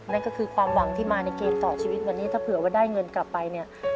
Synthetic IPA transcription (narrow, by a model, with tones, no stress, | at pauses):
na˥˩nkɔ˥˩kʰɯː˧kʰwaː˧mwa˧ŋt̪ʰiː˥˩maː˧na˧jkeː˧mt̪ɔː˨˩t͡ɕʰiː˧wi˦˥t̪̚wɛː˨˩niː˦˥t̪ʰaː˥˩pʰɯ˨˩˦ɐwaː˥˩daː˥˩jŋɤ˧nkla˨˩pːa˧jni˥˩ɐ